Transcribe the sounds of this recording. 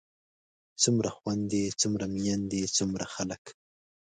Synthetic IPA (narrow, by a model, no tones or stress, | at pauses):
t͡sumɾaxwand̪et͡sumɾamijand̪et͡sumɾaxalək